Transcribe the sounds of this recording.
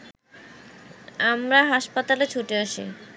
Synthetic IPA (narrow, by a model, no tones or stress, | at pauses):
amɾaɦaʃpat̪alet͡ɕʰuʈeaʃḭ